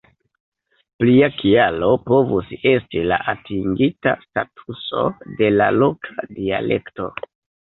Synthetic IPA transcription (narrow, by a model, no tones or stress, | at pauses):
pliakialo̞po̞vuse̞stila̰ʔatiŋɡita̰statʰuso̞̰de̞la̰lo̞kʰadia̰le̞̰kto̞̰